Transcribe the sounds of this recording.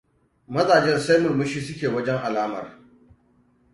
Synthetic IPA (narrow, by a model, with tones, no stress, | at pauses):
mɐ˦zaː˨d͡ʒɛ˦nsa˦jmʊ˨mʊ˦ʃiː˦sʊ˦kʲeː˨wɐ˦d͡ʒɛ˦ŋʔa˨laː˦mɐ̰˨r